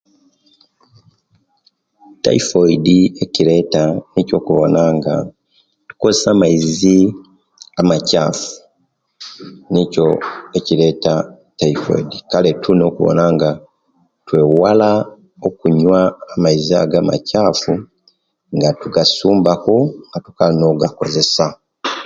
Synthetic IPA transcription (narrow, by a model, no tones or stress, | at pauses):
ta̰ifo̞idie̞ciɾe̞ːtanico̞kuβo̞̰naŋɡa̰ | tu̥kosamaizi | amacaːfu̥ | nico̞eciɾe̞ːta | taifo̰idikale̞tʰuno̞ːkuβo̰naŋɡa | twe̞wala | o̞kuɲwaːmaiziaɡama̰cafu | ŋɡatuɡasuːmbakoŋɡatu̥kalino̞ːɡako̞ze̞sa